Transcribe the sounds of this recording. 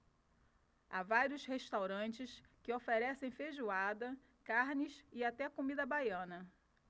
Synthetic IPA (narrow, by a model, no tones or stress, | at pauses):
avaɾiʊsheʃt̪awɾɐ̃nt͡ʃɪskɪofeɾɛsẽj̃feʒuad̪ɐ | kaɾnɪsɪat̪ɛkomid̪ɐbajɐ̃nɐ